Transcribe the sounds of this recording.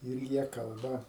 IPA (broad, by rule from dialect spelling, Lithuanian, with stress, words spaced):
ɪr ˈjiɛ ˈkɐlˠbɐ